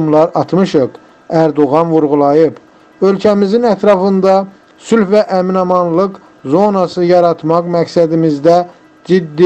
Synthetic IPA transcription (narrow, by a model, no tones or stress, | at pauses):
mlˠɑɾɑt̪mɯʃɯq | æɾd̪oɣɑnvuɾʁulˠɑjɯp | ø̞lcʰæmizinæt̪ʰɾɑfɯnd̪ɑ | sylfvæʔæminɑmɑnlˠɯq | zo̞nɑsɯjɑɾɑt̪mɑqmæksæd̪imizd̪æ | d͡ʒid̪ːi